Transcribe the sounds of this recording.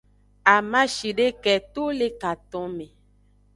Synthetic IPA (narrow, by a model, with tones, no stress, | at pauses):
a˨mã˦ʃi˨ɖe˦kɛ˨t̪o˦le˦ka˨t̪ɔ̃˨˦mẽ˨